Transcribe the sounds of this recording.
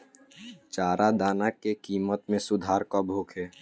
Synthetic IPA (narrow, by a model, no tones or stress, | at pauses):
t͡ʃaːɾʔad̪aːnakekiːmət̪mẽsʊd̪ʱaːɾkɔbʱoːkʰeː